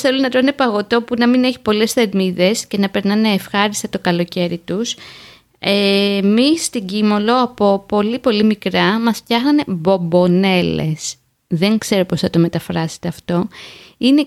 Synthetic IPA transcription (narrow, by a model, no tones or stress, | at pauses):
θelonɐt̪ɾnepɐɣo̞t̪o̞punɐmine̞çi̥po̞le̞sθe̞ɾmiðe̞sce̞nɐpe̞ɾnɐneːfxɐɾist̪et̪o̞kɐlo̞ce̞ɾit̪us | emist̪iɟimo̞lo̞ɐpo̞po̞lipo̞limikɾɐmɐsft̪çɐxnɐne̞bo̞bo̞ne̞lḛs | ðe̞ŋkse̞ɾo̞po̞sθɐt̪o̞me̞t̪ɐfɾɐse̥t̪e̞ɐft̪o̞ine̞